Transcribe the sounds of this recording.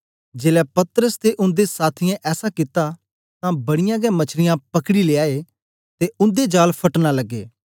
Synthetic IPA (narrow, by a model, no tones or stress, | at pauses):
d͡ʒeːlɛpɐt̪ɾəst̪eʔʊ̃nd̪esaːt̪ʰɪjãʔɛːsakɪt̪a | t̪ãbɐɽɪjãɡɛmɐt͡ʃʰɾɪjãpɐkɽileaːe | t̪eʊ̃nd̪ed͡ʒaːlpʰɐʈnalɐɡːḛː